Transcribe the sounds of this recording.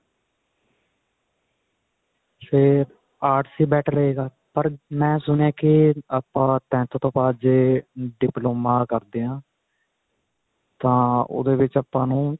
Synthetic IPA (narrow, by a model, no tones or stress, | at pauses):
feːɾ | aːʈsiːbɛːʈʰɾəeːɡaː | pəɾmɛ̃ːsʊnãːkɪapːãːt̪ɛ̃ːt̪õːt̪õːpaːd̪d͡ʒeːɖɪploːmãːkəɾd̪eːãː | t̪ãːo̰ːd̪eːʋɪt͡ʃaːpːãːnũː